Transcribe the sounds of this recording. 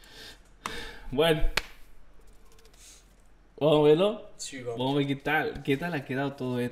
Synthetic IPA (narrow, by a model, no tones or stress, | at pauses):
bweno | bamoβeɾloibamoβeket̪alket̪alakeðaot̪oðoe